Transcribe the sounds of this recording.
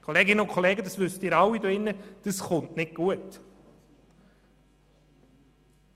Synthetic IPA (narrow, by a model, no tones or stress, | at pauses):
kʰoleːɡɪnəʊnkʰχoleːɡədɑsʋʏstɪːɾɑwidoɪnːəd̥əsχʊntnɪt̚ɡ̥uət